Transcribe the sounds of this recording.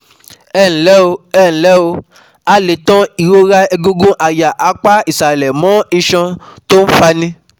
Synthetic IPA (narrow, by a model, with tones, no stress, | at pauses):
ɛ˦˨n̩˨˦lɛ˦o˧ɛ˦˨ñ̩˨lɛ˦o˧ | a˦le˨tɔ̃˦i˨ɾo˦ɾa˦ɛ˧ɡũ˦ɡũ˦ʔa˨ja˨ʔa˨˦k͡pa˦i˨sɾa˨e˨lɛ˨mɔ̃˨˦i˧ʃɔ̃˧to˦n̩˦fa˧nĩ˦